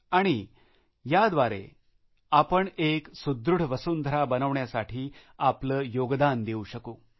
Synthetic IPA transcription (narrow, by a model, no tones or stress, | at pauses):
aɽ̃i | jad̪ʋaɾḛ | apəɳeksud̪ɾuɽ̤ʋəsuːnd̪ʱɾabənəʋɳjasaʈʰiː | apləːjoɡd̪and̪euɕəkoː